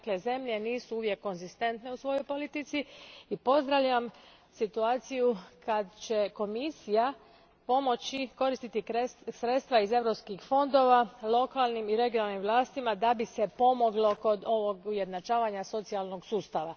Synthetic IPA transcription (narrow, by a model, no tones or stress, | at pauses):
akle̞ze̞mʎe̞niːsuuʋje̞kːo̞nzist̪e̞nt̪ne̞usʋo̞jojpo̞lit̪it̪siipo̞zd̪ɾaʋʎam | sit̪uaːt̪sijukʰad̪t͡ɕe̞ko̞misija | po̞mo̞t͡ɕiko̞ɾist̪it̪iksɾe̞t̪st̪ʋaize̞ʋɾo̞pskixfo̞nd̪o̞ʋalˠo̞kalˠnimiɾe̞ɡijonalnimʋlˠaːst̪imad̪abise̞po̞mo̞ɡlo̞ko̞d̪o̞ʋo̞ɡuje̞d̪nat͡ʃaːʋaɲaso̞t̪sialno̞ɡsuːst̪aʋa